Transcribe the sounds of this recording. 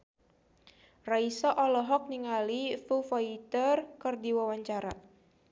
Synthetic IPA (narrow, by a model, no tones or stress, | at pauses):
raisɔʔɔlɔɦɔk̚niŋalifufait̪ərkərdiwawaɲt͡ʃaɾa